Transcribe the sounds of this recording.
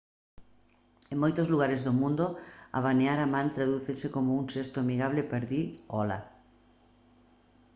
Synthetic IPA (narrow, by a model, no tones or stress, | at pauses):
eŋmojt̪ozluɣ̞aɾezðomũnd̪oa̰βaneaɾamãnt̪ɾaðuθesekomouŋʃest̪oamiɣaβlɪpeɾðiɔla̰